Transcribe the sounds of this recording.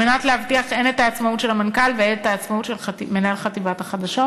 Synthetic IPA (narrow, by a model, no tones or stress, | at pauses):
menatlehavtiaχenetaːt͡smautʃe̞lhamankalveenet̪aːt͡smautʃelame̞naelχativathaχadaʃo